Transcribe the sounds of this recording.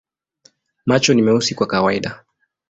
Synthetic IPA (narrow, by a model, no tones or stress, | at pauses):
mat͡ʃɔnimɛusikwakawaiɗa